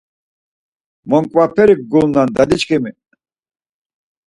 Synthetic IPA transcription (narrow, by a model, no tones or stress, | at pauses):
mɔŋkʼwapʰɛɾik̚ɡulnand̪ad̪it͡ʃkʰɛmi